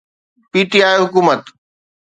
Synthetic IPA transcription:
piːʈiaːjɦʊkuːmət̪

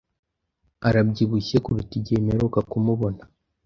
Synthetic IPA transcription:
aɾabɟiβuçekuɾutiɟemeɾokakumuβo̞na

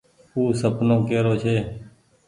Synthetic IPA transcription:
uːsəpnõːkeːɾoːt͡ʃʰeː

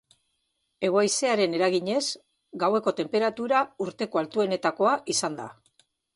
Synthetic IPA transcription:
e̞ɣ̞oajse̞aɾe̞ne̞ɾaɣiɲe̞z | ɡawe̞ko̞t̪e̞mpe̞ɾat̪uɾauɾt̪e̞ko̞alt̪ue̞ne̞t̪ako̞aʔisand̪a̰

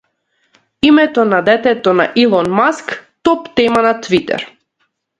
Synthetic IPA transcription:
imɛt̪ɔnad̪ɛt̪ɛt̪ɔna̰ʔilˠɔnmaskt̪ɔpt̪ɛmanat̪vit̪ɛ̰ɾ

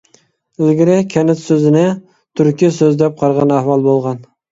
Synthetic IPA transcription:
lɡʲɪɾɪkʲʰɛnɪt̪søzɪnɪ | t̪ʰyɾkʲisøzd̪ɛp̚qʰɑɾʁɑnæhwɑlˠbolˠʁɑn

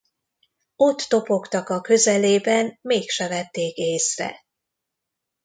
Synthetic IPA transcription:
o̞t̪ːo̞po̞kt̪ɒkɒkø̞zɛleːbɛnmeːkʃɛvɛt̪ːeːkeːsrɛ̰

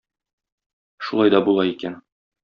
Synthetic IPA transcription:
ʃulˠɑjd̪ɒbulˠɑikæn

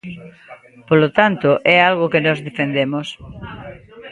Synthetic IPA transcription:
polot̪ant̪ʊʔɛalɣokenɔzðefend̪emos

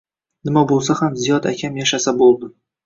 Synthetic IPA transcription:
nɪmabolˠsahamzijɒt̪akʲʰamjaʃasabolˠd̪ɪ

